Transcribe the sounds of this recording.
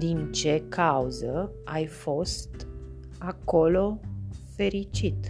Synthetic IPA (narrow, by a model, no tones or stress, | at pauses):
d̪int͡ʃe̞kʰauzə | ajfo̞st̪ | ako̞lo̞fe̞ɾit͡ʃit̪